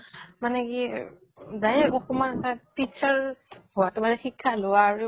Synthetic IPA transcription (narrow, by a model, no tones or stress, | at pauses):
manɛki | dajɛkɔkɔmanɛtapit͡ʃaɹhʊwatʊbalɛxikʰːalʊwaːɹu